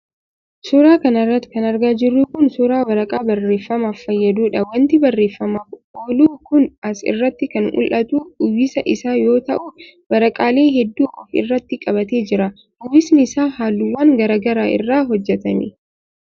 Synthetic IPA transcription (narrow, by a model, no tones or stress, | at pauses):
suɾaːkɐnɐrːɐt̪ːɪ̥kɐnɐɾɡaːd͡ʒɪrːuːkʊnsuːɾaːwɐɾɐkʼaːbɐrːe̞ːfːɐmaːfːɐjːɐd̪uːᶑɐwɐnt̪ɪbɐrːe̞ːfːɐmaːfoːluːkʊnɐsɪ̰rːɐt̪ːɪkɐnʊ̰lʔɐt̪uːʊjːɪsɐʔɪsaːjo̞ːt̪ɐʔʊ | bɐɾɐkʼaːle̞ːɦɛd̪ːuːʔɔfɪ̰rːɐt̪ːɪkʼɐbɐt̪e̞ːd͡ʒɪɾɐ | ʊjːɪsnɪɪsaːɦaːlːuːwːaːŋɡɐɾɐːɡɐɾaːʔɪ̰rːaːɦɔd͡ʒːɛt̪ɐmɪ̰